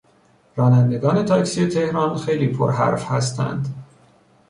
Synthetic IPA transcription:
ɾɒːnænd̪e̞ɡɒːne̞t̪ʰɒːcksiːjet̪ʰe̞hɾɒːnxe̞jliːpʰo̰ɾɦæ̰ɾfhæst̪ʰæ̰nd̪

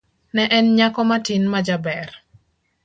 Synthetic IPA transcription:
nɛʔɛnɲakɔmatinmad͡ʒabɛr

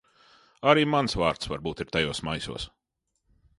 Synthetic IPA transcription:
aɾiːmansvaːɾt̪svaɾbuːt̪iɾt̪ajoːsmajsṵːs

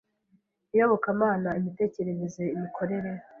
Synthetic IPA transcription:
ijoβo̞kamaːnaimite̞ːce̞ɾeɾe̞zeimikʰo̞ɾe̞ɾe̞

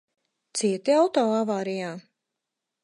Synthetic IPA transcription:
t̪siɛt̪iawt̪ɔːavaːɾijaː

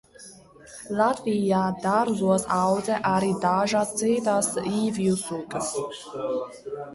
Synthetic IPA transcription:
lˠat̪vijaːd̪aɾzuɔsawdzɛʔaɾid̪aʒaːst͡seːt̪aːsiːvijusuːkəs

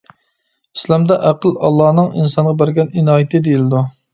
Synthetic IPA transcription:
islɑmd̪ɛʔæqəlˠɑlˠːɑːnɨŋinsɑnʁɑbæɾɡʲɛninɑːjɪt̪ʰɪd̪ejilɪd̪u

